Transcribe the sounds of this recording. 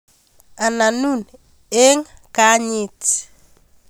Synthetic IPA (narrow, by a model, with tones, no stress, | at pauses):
a˨na˨nu˦n | e˦ŋka˦ɲi˦˨t͡s